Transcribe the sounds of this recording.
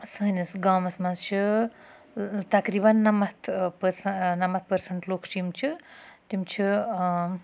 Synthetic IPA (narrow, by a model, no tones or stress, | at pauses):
sɐnisɡaːmɐsmɐnzt͡ʃʰi | t̪ɐkɾiːbɐnːɐmɐt̪ʰpəɾsɐnɐmɐt̪̚pɐɾsɐɳʈloːkʰt͡ʃʰimt͡ʃʰit̪imt͡ʃʰi